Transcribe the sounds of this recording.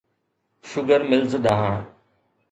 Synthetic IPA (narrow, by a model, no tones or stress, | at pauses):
ʃʊɡəɾmɪlzɗ̪aːɦãː